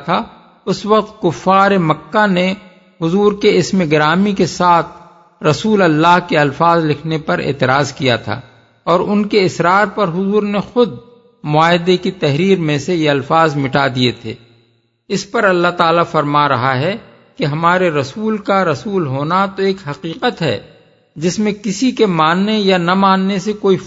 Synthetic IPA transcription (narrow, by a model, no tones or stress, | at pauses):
t̪ʰa | ʊswɐq̚t̪̚kʊfːaːɾemɐkːane | hʊzuːɾkeɪsmeɡɾaːmikesaːt̪ʰ | ɾɐsuːlɐlːaːɦkeɐlfaːzlɪkʰnepɐɾḛːt̪ɪɾaːzkijat̪ʰa̰ː | ɔːɾʊnkeɪsɾaːɾpɐɾɦʊzuːɾnexʊd̪̚ | mʊaːɦd̪ekit̪ɛɦɾiːɾmẽsejeɐlfaːzmɪʈad̪iet̪ʰḛː | ɪspɐɾɐlːaɦt̪aːlafɐɾmaɾɐɦaɦɛ | kiɦɐmaːɾeɾɐsuːlkaɾɐsuːlɦoːnat̪oeːkɦɐqiːqət̪ɦɛ̰ː | d͡ʒɪsmẽkɪsikemaːnːejanɐmaːnːesekoːi